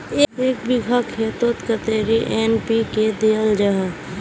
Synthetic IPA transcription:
eeːkbiɡʱəkʰːeːt̪ot̪kət̪eːɾiʔenpiked̪eːəld͡ʒəɦə

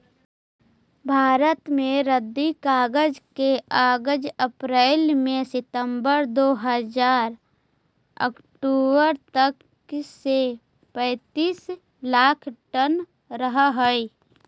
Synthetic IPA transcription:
bʱaːɾət̪mẽɾəd̪ːikaːɡəd͡ʒkeaːɡəd͡ʒəpɾeːlmẽsɪt̪əmbəɾd̪oːɦəzaːɾ | ə̰k | ʈoːbəɾt̪ək | se | pɛ̃ːt̪iːs | laːkʰʈən | ɾəɦɦəi

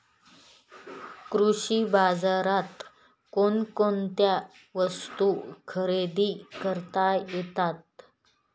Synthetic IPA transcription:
kɾuɕiːbad͡zaɾat̪ | konkont̪ja | ʋəst̪ukʰəɾed̪iːkəɾt̪ajjet̪at̪̚

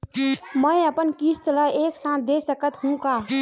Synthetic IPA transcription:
mɛ̃əpənkiːst̪əlaeːksãːt̪̚ʰd̪eːsəkət̪ɦũkaː

